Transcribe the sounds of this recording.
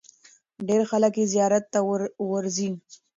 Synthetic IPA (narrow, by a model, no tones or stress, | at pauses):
ɖeɾxaləkjezijɑɾat̪ːawəɾzin